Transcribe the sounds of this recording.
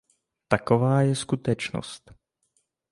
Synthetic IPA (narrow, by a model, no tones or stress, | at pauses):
t̪ako̞vaːjɛskut̪ɛt͡ʃno̰st̪